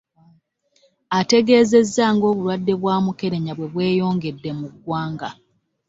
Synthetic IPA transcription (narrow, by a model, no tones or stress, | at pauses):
ate̞ɡe̞ːze̞zːaŋɡo̞ːβulwadːe̞βwaːmuke̞ɾe̞ɲaβwe̞βwe̞ːjo̞ːŋɡe̞dːe̞muɡwaːŋɡa